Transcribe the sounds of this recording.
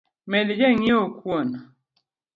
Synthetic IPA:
melid͡ʒeɲiokwona

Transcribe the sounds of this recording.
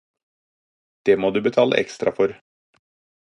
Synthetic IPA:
d̪̥eːmoːd̪ʉːbət̪ʰɑːlə̰ʔɛkst̪ɾɑfɔɾ

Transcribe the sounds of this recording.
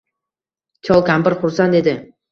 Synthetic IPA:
t͡ʃʲʰɒlˠkʲʰampɪɾχʊɾsant̪e̞d̪ɪ

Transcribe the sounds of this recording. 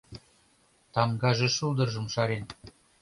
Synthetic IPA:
t̪ɑmɡɑʒĕʃulˠd̪ɤ̆rʒɤ̆mʃɑɾen

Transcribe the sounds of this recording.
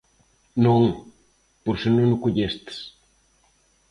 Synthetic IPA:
nõŋ | poɾsɪnõŋnʊkoʎest̪ɪ̥s

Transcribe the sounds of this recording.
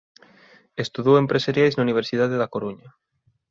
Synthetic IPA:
est̪uðowempɾesaɾjajznauniβ̞eɾsið̞að̞eðakoɾuɲa

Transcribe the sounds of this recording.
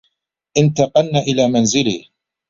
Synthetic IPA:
ʔɪnt̪ɑqɑnnaʔɪlaːmanzɪlɪ̰

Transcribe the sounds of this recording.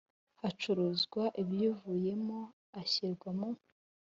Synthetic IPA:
hat͡ʃuɾuzɡwaʔibjuvuje̞mo | açiɾɡwamo

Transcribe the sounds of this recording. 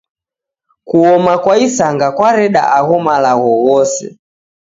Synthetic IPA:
kuɔmakwaisaŋɡakwaɾɛɗa̰ʔaɣɔmalaɣɔwɔsɛ̰

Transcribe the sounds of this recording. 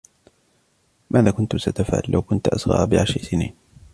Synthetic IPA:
mʔaːðaːkʊnt̪ʊsat̪afʕa̰lːawkʊnt̪ʔasɣɑ̰ːbɪʕaʃɪsɪnḭːn

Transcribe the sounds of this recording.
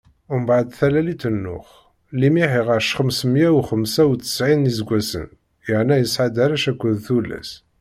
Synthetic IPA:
ʊmbʕad̪θælælit̪ːənːʊ̰χ | limiħiʁəɾʃχəmsəmjæwχəmsæwt͡s̪ːə̥sʕinizɡʷːæsə̰n | jəʕnæjəsʕad̪æɾæʃækʷːəðθulːæ̰s

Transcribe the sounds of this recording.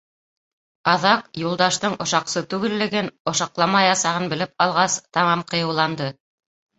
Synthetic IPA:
ɑðɑqjulˠd̪ɑʃt̪ɤɴʔŏʃɑqsɤt̪ʉɡɘ̆lːɘ̆ɡɘnŏʃɑqlˠɑmɑjɑsɑʁɤnbɘ̆lɘp̚qɑlˠʁɑst̪ɑmɑmqɤ̆jɤ̆wlˠɑnd̪ɤ

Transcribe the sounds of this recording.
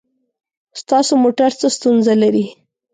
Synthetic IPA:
st̪ɑsomoʈaɾt͡səst̪unzalaɾi

